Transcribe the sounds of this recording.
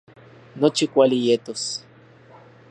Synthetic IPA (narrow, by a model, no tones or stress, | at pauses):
not͡ʃikʷalijet̪os